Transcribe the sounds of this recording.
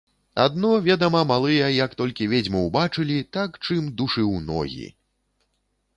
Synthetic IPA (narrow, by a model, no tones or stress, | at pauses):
a̰d̪̚nɔvʲɛd̪ɐmɐmalˠɨjɐjɐkt̪ɔlʲkʲivʲed͡zʲmɐwbat͡ʂɨlʲit̪akt͡ʂɨmd̪uʂɨwnɔ̰ɣʲḭ